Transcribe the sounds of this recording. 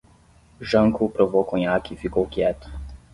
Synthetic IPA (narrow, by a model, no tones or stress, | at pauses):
ʒəŋkʰupɾɔvɔkɔɲakifikɔwkjɛt̪